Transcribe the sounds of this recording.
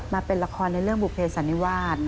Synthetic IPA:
maː˧pe˧nla˧kʰɔː˧nːa˧jɾɯ˥˩əŋbu˨˩pʰeː˧sa˨˩˦nːi˦˧waː˥˩t̪̚

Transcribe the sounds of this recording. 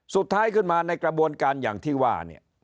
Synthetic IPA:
su˨˩t̪ʰːaː˦˥jkʰɯ˥˩nmaː˧na˧jkɾa˧bu˧ənkaː˧nja̰ː˨˩ŋt̪ʰiː˥˩waː˥˩nḭ˥˩ɐ

